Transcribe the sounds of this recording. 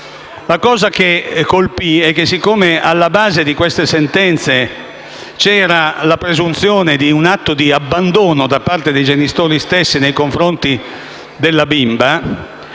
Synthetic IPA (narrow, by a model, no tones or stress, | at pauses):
lakɔːzak̟ekːolpiɛk̟ːesːikːomealːabaːzed̪ikwest̪esent̪ɛnt̪se | t͡ʃɛːɾalapɾezunt̪sjoːned̪iunat̪ːod̪iabːand̪oːnod̪apːart̪ed̪ejd͡ʒenist̪oːɾist̪esːinejkoɱfɾont̪i | d̪elːabimba